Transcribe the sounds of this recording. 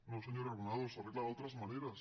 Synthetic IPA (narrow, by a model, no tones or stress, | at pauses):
noseɲoɾaɾβonaðosareɣlaðeot̪ɾazmaneɾas